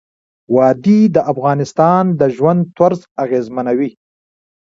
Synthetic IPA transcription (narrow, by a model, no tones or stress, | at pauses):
wɑːd̪id̪əʔafɣɑːnɪst̪ɑːnd̪əʒwand̪̚t̪waɾzaɣeːzmanawi